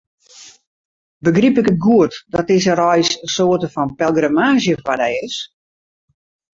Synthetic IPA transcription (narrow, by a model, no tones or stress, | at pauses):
bəɡripɪkət̚ɡuətdɔtɪsərɔjsəsoətəfɔnpɛlˠɡramaːzjəfadaɪs